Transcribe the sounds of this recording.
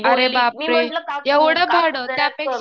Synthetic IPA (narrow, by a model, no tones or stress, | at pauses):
əɾebapɾejeʋɽəbʱaɽət̪japek